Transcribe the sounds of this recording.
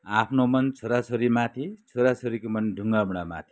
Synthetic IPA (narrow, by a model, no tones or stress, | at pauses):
apʰnomʌnt͡sʰoɾat͡sʰoɾimat̪ʰit͡sʰoɾat͡sʰoɾikomʌnɖʱuŋɡabuɽ̃ama̰t̪ʰi̥